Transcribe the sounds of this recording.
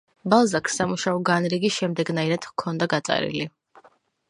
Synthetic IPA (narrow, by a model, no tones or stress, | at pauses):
balˠzaksːamuʃaɔɡanɾiɡiʃɛmd̪ɛɡnaiɾad̪̥kʰɔnd̪aɡat̪sʼa̰ɾḭli